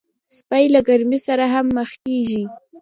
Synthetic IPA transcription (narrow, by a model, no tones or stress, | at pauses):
spajlaɡaɾmisaɾaɦamːəxkeʒi